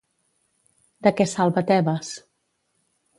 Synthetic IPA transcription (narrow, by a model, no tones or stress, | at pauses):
d̪əkɛsalˠβət̪ɛβəs